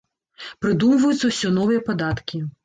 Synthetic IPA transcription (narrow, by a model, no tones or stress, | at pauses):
pɾɨd̪umvɐjut̪sːɐwsʲɔnɔvɨjɐpɐd̪at̪kʲi